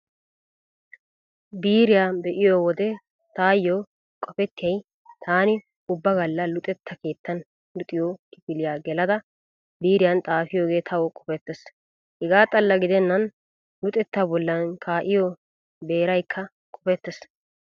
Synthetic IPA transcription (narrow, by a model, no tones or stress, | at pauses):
biːɾɪjaːbɛʔɪjowɔd̪ɛ | t̪aːjːoː | kʼɔfɛt̪ːɪjɐj | t̪ʰaːnɪ | ʊbːɐɡɐlːɐlʊt̪ʼɛt̪ːɐke̞ːt̪ːɐn | lʊt̪ʼːɪjoːkɪfɪlɪjaːɡɛlɐd̪ɐ | biːɾɪjɐnt̪ʼaːfɪjoːɡe̞ːt̪ʰɐwɔkʼɔ̥fɛt̪ːɛs | hɛɡaːt̪ʼɐlːɐɡɪd̪ɛnːɐn | lʊt̪ʼɛt̪ːabɔlːɐnkʰaːʔɪjo | be̞ːɾɐjkʰːɐ | kʼɔfɛt̪ːɛs